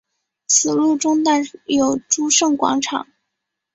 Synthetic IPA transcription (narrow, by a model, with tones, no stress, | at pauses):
t͡sʰɹ̩˨˩lu˥˩ʈ͡ʂʊ˥ŋt̪a˥˩jo˨˩ʊʈ͡ʂu˥ʂɤ˥˩ŋkwɑ̰˧˥ŋʈ͡ʂʰɑ̰˨˩˦ŋ